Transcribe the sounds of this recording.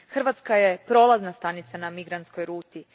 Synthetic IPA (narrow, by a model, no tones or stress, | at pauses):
xr̩ʋat̪skajepɾo̞laznast̪anit̪sanamiɡɾant̪sko̞jɾuːt̪i